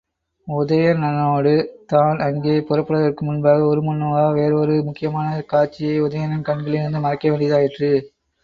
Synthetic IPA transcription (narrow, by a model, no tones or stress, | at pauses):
ʊðɐjɐnɐnoːɽɯt̪aːnɐŋɡeːpʊrɐpːɯɽɐðɐrkɯmʊnbaːɣɐɔɾɯmʊnːɐʋaːʋeːɾɔɾɯmʊkːɪjɐmaːnɐkaːɾt͡ʃːɪjɐɪʊðɐjɐnɐnkɐɳɡɐɭɪɾɯnd̪ɯmɐɾɐkːɐʋeːɳɖɪjɐðaːjɪʈrɯ